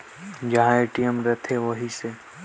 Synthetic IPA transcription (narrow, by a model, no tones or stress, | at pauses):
d͡ʒɐɦãeːʈijəmɾɛt̪ʰeʋəɦise